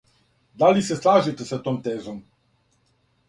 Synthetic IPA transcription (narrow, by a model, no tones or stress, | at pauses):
d̪aliseslˠaːʒit̪esat̪oːmt̪eːzom